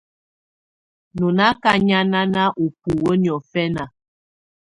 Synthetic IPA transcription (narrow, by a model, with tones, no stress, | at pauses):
nu˨na˦ka˦ɲa˦na˦na˦ʔu˨pu˨wə˦ni˨ɔ˨fɛ˦na˨